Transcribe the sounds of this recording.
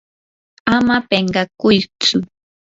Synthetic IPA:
amapeɴɢɑkʊjt͡sʊ

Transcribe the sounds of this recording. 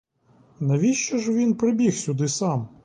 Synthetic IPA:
nɐʋʲiʃt͡ʃɐʒʋʲinpɾɪbʲixsʲʊd̪ɪsɑm

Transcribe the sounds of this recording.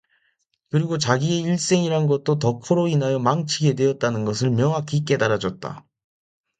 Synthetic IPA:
kɯɾiɡot͡ɕaɡie̞iɭs͈e̞ŋiɾannɡʌt̚t͈otʌkʰoɾoinɦajʌmaŋt͡ɕʰiɡe̞dwe̞ʌt̚t͈anɯnɡʌs̬ʰɯɭmjʌŋɦakʰik͈e̞daɾad͡ʑʌt̚t͈a̰

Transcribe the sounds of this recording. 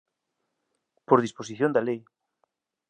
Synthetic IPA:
poɾðispos̬iθjõnd̪alej

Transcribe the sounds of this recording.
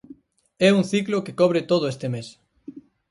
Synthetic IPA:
ɛuŋθiklokekɔβɾɪt̪oð̞oest̪ɪmes

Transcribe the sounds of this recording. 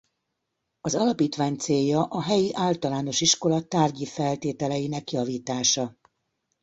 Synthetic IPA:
ɒzɒlɒpiːt̪ʋaːɲt̪seːjːɒʔɒɦɛjiʔaːlt̪ɒlaːno̞ʃiʃko̞lɒt̪aːrɟifɛlt̪eːt̪ɛlɛjinɛkjɒviːt̪aːʃɒ

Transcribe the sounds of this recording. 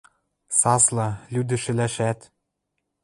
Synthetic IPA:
sɑslɑlʲyd̪ɘ̆ʃɘ̆læʃæt̪

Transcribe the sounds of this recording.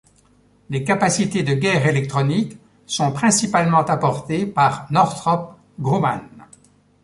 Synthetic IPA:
lekapasit̪ed̪əɡʲɛʁelɛk̚t̪χɔnik | sɔ̃pχɛ̃sipalmɑ̃t̪apɔʁt̪epaʁnɔʁt̪χɔp̚ | ɡʁoma̰n

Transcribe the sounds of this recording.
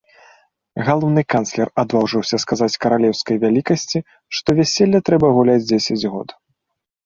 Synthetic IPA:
ɣalˠɔwnɨkanslʲɛrad̪vawʐɨwsʲɐskazat͡sʲkɐɾalʲɛwskɐjvʲalʲikɐsʲt͡sʲi | ʂt̪ɔvʲasʲelʲːɐt̪ɾɛbɐɣulʲad͡zʲd͡zʲesʲɐd͡zʲɣɔ̰t̪

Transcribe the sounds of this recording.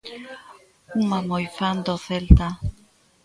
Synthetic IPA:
uŋmamojfand̪oθelt̪a

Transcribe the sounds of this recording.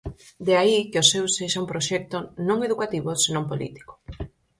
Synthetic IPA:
d̪eaikeosewseʃaumpɾoʃɛk̚t̪onõŋeðukat̪iβosenõmpolḭt̪i̥ko̥

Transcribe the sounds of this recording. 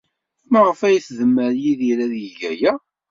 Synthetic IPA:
mʁəfæjiθðəmːəɾjiðiɾæðjəʝæjæ

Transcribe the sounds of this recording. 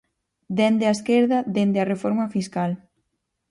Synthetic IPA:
d̪end̪ɪaeskeɾðɐðend̪earefɔɾmafiskal

